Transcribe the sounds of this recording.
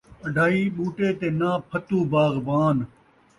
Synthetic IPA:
əɖʱaːɦiːɓuːʈeːt̪eːnaːpʰət̪ũːbaːɣbaːn

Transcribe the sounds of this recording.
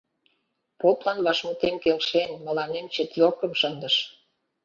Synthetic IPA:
poplɑnβɑʃmut̪emkelʃenmə̆lɑnemt͡ɕet̪jokəmʃənd̪əʃ

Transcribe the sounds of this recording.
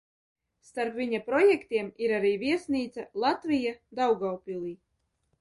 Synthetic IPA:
st̪aɾpviɲapɾɔjɛkt̪ʲiɛmiɾaɾiːviɛsniːt̪salˠat̪vijad̪awɡawpʲilˠiː

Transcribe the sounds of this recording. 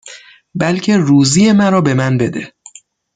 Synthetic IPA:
bælcʰe̞ruːziːje̞mæɾɒːbe̞mænbe̞d̪e

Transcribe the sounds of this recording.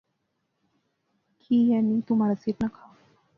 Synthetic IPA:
kʰiːjanːiːt̪um̤aɾat͡siːʈnəkʰa

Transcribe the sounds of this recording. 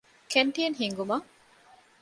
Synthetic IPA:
keɳʈijɐnɦiŋɡumɐ

